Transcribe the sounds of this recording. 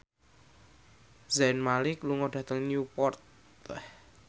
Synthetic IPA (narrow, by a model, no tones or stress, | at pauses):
zɛnmalɪkluŋɔɖ̥ä̤t̪əŋnjupɔrt̪ | ɛh